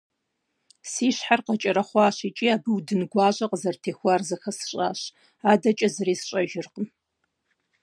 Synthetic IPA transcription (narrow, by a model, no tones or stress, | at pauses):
siːɕħarqɐt͡ʃʼɐɾɐχʷɑːɕit͡ʃʼiːaːbɨwdɨnɡʷɑːʑʷʼɐqəzɐrtʰeːxʷɑːrzɐxɐsɨ̥ɕʼa̰ːɕ | aːdɐt͡ʃʼɐzɨriːsɕʼɐʒɪrqəm